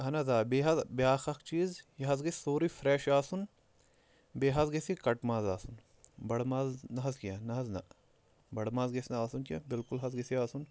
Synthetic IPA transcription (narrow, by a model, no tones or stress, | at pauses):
ɦɐnɐzaːbeːɦɐzbjaːxɐkt͡ʃiːzjɐɦɐzɡessoːɾifʰɾeːʃaːsun | beːɦɐzɡesikɐʈmaːzaːsun | bɐɽmaːznɐɦɐzkijanɐɦɐznɐ̰ | bɐɽmaːzɡesnɐaːsunkjabɪlkulɦɐzɡesiaːsun